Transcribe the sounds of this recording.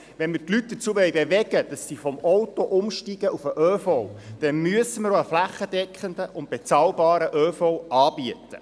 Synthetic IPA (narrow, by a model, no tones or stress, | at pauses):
ʋɛnmərtlyt̚d̥ət͡suːəʋœɥjbeʋɛɡəd̥̪ɑsːifɔmɔwtɔʔʊmʃtiːɡ̥əʔufəʔøːfɔwd̥ɛnmyəsəməɾoəflæχəd̥̪ɛkχənd̪əʔʊnt̚b̥et͡sɑːlbɑːɾəʔøːfɔwɑːbiət̪ə̰